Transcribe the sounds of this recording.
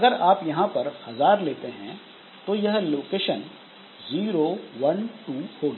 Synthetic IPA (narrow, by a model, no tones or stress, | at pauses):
ɐɡəɾaːpjɐɦãpɐɾhɐzaːɾleːt̪eɦɛ̃ | t̪ojɐɦloːkeːʃən | ziːɾoːʋɐnʈuːhoːɡaː